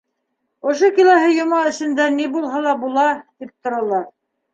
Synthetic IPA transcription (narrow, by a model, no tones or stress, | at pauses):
ŏʃ̬okilæɦɘjŏmɑɘ̆sɘ̆nd̪ænibulˠɦɑlˠɑbulˠɑt̪ip̚t̪ŏɾɑlˠɑɾ